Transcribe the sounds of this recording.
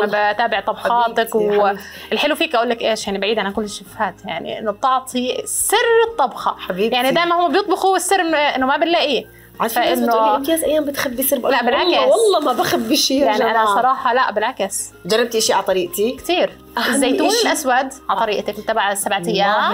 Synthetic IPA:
mabt̪aːbɪʕt̪ˤɑbxɑːt̪akw | ʔɪlħɪlufiːkʔaʔuːlːakʔeːʃjaʕnibaʕiːd̪ʕalakʊlːɪʃːafhaːt̪jaʕnḭʔɪ̰nːʊt̪ˤɑʕt̪ˤʰisɪrːɨt̪ˤːɑbxɑħabiːbjaʕnid̪aːjmanhʊmːabjɨt̪ˤbɪxuwɪsːɪɾmʔɪnːʊmabɪnlːaʔi | ʕafaʔɪnːʊɪjaːzʔajːaːmbɪt̪xabːisɨɾbʔlabɪlʕakaswɑlˤːɑːmabaxabːiʃiːjʕniʔanasˤɑɾˤɑːħɑlaʔbɪlʕakas | d͡ʒɑrˤːɑb̚t̪ʔɪʃiʕalt̪ˤɑɾiːʔt̪ikt̪iːɾ | ɪzːajt̪uːnɪlʔaswad̪ʕat̪ˤɑɾiːʔt̪aklt̪ːabʕasːabʕat̪ajːaːmm

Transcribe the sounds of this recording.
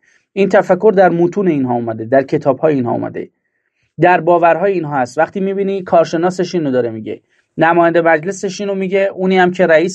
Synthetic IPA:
iːnt̪ʰæfækʰːo̞ɾd̪æɾmuːt̪ʰuːne̞inɦɒːumæd̪e̞d̪æɾcʰe̞t̪ʰɒːb̥hɒːjeiːnɦɒ̰ṵmæ̰d̪ḛ | d̪æɾbɒːvæɾɦɒːjeiːnɦɒːæst̪væχt̪ʰiːmiːbiːnikʰɒːɾʃe̞nɒːse̞ʃiːnːod̪ɒːɾe̞miɟe̞̰ | næmɒːjænd̪e̞mæd͡ʒle̞seʃiːnomiːɟe̞ʔuːniːæmcʰe̞ɾæiːs

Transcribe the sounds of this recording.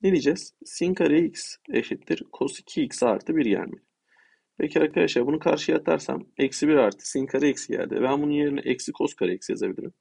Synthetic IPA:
ned̪iːd͡ʒɛz̥siŋkʰaɾeicseʃit̪ʰːiɾkʰo̞si̥cʰiːcsaɾt̪ʰɯbiɾɟæ̰lʲmilʲ | pʰecʰiaɾkʰad̪aʃaːbunukʰaɾʃɯjat̪ʰa̰ɾsa̰mɛcsibiɾaɾt̪ʰɯ̥siŋkʰaɾaicsɟæ̰lʲd̪ḭbænbununje̞ɾinɛ̰ʔɛcsikʰo̞skʰaɾaicsja̰zabilʲḭɾim

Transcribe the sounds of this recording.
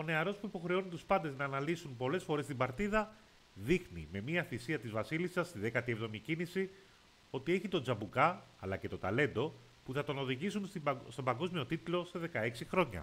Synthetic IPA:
o̞ne̞ɐɾo̞spuipo̞xɾe̞o̞nunt̪uspɐnd̪e̞znɐːnɐlisunpo̞le̞sfo̞ɾe̞st̪ibɐɾt̪iðɐ | ðixnḭme̞miɐθisiɐt̪izvɐsilisɐst̪iðe̞kɐt̪ievðo̞micinisi | o̞t̪ie̞çit̪o̞nd͡zɐbukɐɐlɐce̞t̪o̞t̪ɐle̞nd̪o̞ | puθɐt̪o̞no̞ðiʝisunst̪o̞bɐŋɡo̞zmio̞t̪it̪lo̞se̞ðe̞kɐe̞ksixɾo̞ɲɐ̰

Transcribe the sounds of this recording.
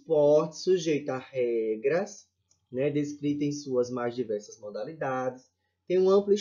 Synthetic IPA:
spɔɾt͡ʃɪ̥suʒejt̪ahɛɡɾɐs | nɛd̪eskɾit̪ɐẽj̃suɐzmajzd͡ʒivɛɾsɐzmod̪alid̪ad͡ʒ̪ɪs | t̪ẽj̃ũɐ̃mplʊ

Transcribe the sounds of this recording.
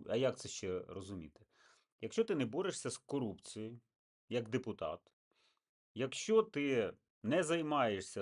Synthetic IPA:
ɐ̰jak̚t̪sɛʃt͡ʃɛrɔzʊmʲḭt̪ɪ̥ | jɐkʃʲt͡ʃɔt̪ɪnɛbɔɾeʂsʲɐskɔɾupt͡sʲiji | jɐɡd̪epʊt̪ɑ̰t̪ | jɐkʃt͡ʃɔt̪ɪ | nɛzɐjmɑjeʂsʲɐ

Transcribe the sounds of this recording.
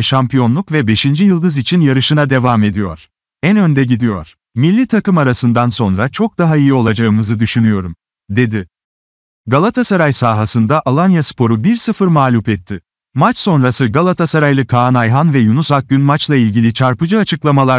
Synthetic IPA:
ʃampʰijo̞nlˠukvɛbe̞ʃind͡ʒijɯlˠd̪ɯzit͡ʃʰinjaɾɯʃɯnad̪e̞vame̞d̪ijo̞̰ɾ̥ | ænø̞nd̪ɛɟid̪ijo̞̰ɾ̥ | milʲːit̪ʰakɯmaɾasɯnd̪anso̞nɾat͡ʃʰo̞k̚d̪aɦaijio̞lˠad͡ʒaɯmɯzɯd̪yʃynyjo̞ɾum | d̪e̞d̪ɪ | ɡalˠat̪ʰasaɾajsaːɦasɯnd̪aʔalˠanjaspʰo̞ɾubiɾsɯfɯɾmaːlʲupɛt̪ʰːɪ | mat͡ʃso̞nɾasɯɡalˠat̪ʰasaɾajlˠɯkʰaːnajɦanvɛjunusak̚ɟynmat͡ʃlˠailʲɟilʲit͡ʃʰaɾpɯd͡ʒɯat͡ʃʰɯklˠamalˠa

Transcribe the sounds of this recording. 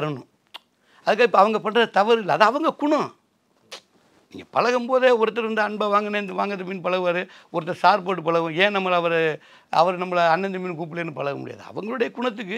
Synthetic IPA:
ɐɾɐɳʊ̃ | ɐðɯkːaːɪpːoɐʋɐŋɡɐpɐɳrɐðɐt̪ɐʋɐɾɪlːɐːðaɐʋɐŋɡɐkʊɳɐ̃ | nḭːŋɡɐpɐlɐɣɐmpoːðeːɔɾɯt̪ːɐɾʋɐnd̪ɯɐɳbaːʋaːŋɡɐneːnd̪ɯʋaːŋɡɐðɐmɪnpɐlɐɣɯʋaːɾɯɔɾɯt̪ːɐsaːɾpoːʈːɯpɐɭɐɣʊ̃eːnɐmːɐɭɐʋɐɾ | ɐ̰ʋɐɾnɐmːɐlɐnːɐnd̪ɯminːk̬uːp̬ːɪleːnːɯpɐɭɐɣɐmʊ̰ɽɪja̰ːðɯɐ̰ʋɐŋɡɐɭɯɽɐjɐkʊɳɐt̪̬ːɯkːɯ

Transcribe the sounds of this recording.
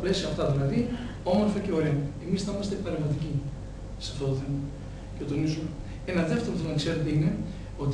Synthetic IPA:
ple̞sioɐft̪ɐðilɐði | o̞mo̞ɾfɐce̞o̞ɾeɐemisθɐimɐst̪epɐɾevmɐt̪ici | sɐft̪o̞t̪oθe̞mɐ | cet̪o̞nizume | enɐðeft̪eɾoθoonkse̞ɾet̪eine̞ | o̞t̪

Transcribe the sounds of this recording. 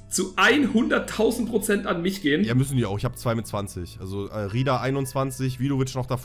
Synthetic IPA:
t͡suʔaɪnhʊndɐtʰaʊzn̩t̚pʁ̥ot͡sɛntanmɪçɡ̥eːənjaːmʏsn̩diːaʊxɪçhaːbə̥t͡sv̥aɪmɪtt͡sv̥ant͡sɪçʔalzoʔɛːʁiːdaʔaɪnʊnt͡sv̥ant͡sɪç̬v̥iːlovɪt͡ʃnɔχd̥af

